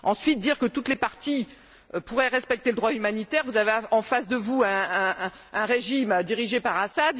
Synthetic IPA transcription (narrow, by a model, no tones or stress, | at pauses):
ɑ̃sɥit̪̚d̪iʁkət̪ut̪lepaʁt̪i | puʁɛʁɛspɛk̚t̪eləd̪ʁwaymanit̪ɛʁvuzaveɑ̃fasd̪əvuɛ̃ | ɛ̃ʁeʒimd̪iʁiʒepaʁasad̪